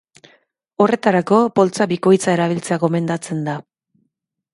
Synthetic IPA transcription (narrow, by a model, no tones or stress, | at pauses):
o̞re̞t̪aɾako̞po̞lt͡saβiko̞jt͡sae̞ɾaβ̞ilt͡se̞aɣo̞me̞nd̪at͡se̞nd̪a